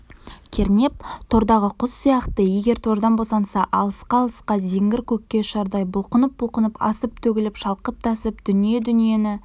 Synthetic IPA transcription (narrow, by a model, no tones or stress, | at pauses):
kʲʰe̞ɾne̞p̚t̪ʰo̞ɾd̪ɑʁəqʰʊsːijɑqt̪əje̞ɡʲe̞ɾt̪ʰo̞ɾd̪ɑnbosɑnsɑʔɑlˠəsqɑːlˠəsqɑze̞ŋɡʲɪɾkʲʰɵkʲːe̞ʃɑɾd̪ɑjbʊlˠqənəp̚bʊlˠqənəpɑ̰səp̚t̪ʰɵkʲɪlɪpʃɑlˠqəp̚t̪ʰɑsəpd̪̥ʏnije̞d̪ʏnije̞nɪ